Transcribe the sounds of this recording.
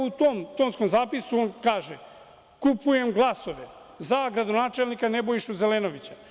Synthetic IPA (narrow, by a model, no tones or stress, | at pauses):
ut̪omt̪oːnsko̞mzaːpisuonkaːʒe | kupuje̞mɡlˠaso̞ʋe | zaɡɾad̪o̞naːt͡ʃe̞lnikanebojiʃuzeleːno̞ʋit͡ɕḁ